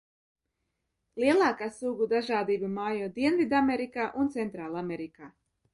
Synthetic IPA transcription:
liɛlˠaːkaːsuːɡud̪aʒaːd̪iːbamaːjuːd̪iɛnvid̪ameɾikaːʔunt̪sɛnt̪ɾaːlˠamɛɾikaː

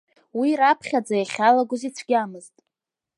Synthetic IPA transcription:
wiɾapʰχʲad͡zajaχʲalaɡʷʊzit͡sʷʰɡʲamɨztʼ

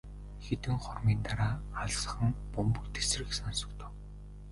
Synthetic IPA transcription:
xet̪ɘ̆ŋχʊrmiːnt̪aɾaːaɮsə̥̆χə̆ŋpʊmpɵ̆kt̪ʰe̥s̆rɘ̆ksansɞ̥̆kt̪ʰə̥̆w

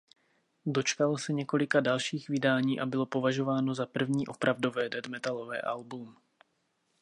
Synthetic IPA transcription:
do̞t͡ʃkalosɛɲɛko̞lɪkadalʃiːxvɪdaːɲiːʔabɪlo̞po̞vaʒo̞vaːno̞zapr̩vɲiːʔo̞pɾavdo̞vɛːdɛdmɛt̪alo̞vɛ̰ːʔalbum

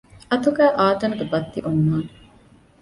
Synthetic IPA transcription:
ɐt̪uɡæːʔaːt̪ɐnɐɡebɐt̪ːḭʔunːaːne

